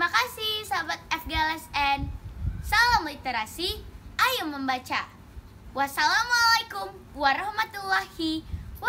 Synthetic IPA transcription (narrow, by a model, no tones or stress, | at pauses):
timakasihsaɦabat̪̚ɛfɡalɛsɛnsalamlit̪eɾasiʔajuməmbat͡ʃa̰ | wasalamualajkum | waɾɔhmat̪ulːahiw